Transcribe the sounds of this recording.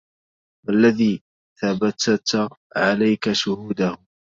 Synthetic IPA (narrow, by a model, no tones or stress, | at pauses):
walːaðiː | θabat̪at̪ | ʕalajkaʃʊhuːd̪ah